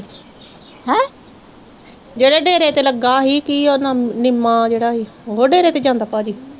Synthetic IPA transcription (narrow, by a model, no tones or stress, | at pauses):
ɦɛ | d͡ʒeːɽeːɖeːɾeːt̪eːləɡaːɦiːkioːnãːnɪmːaːd͡ʒeːɽaːɦiːɦoːɖeːɾeːt̪eːd͡ʒãːnd̪aːpaːd͡ʒiː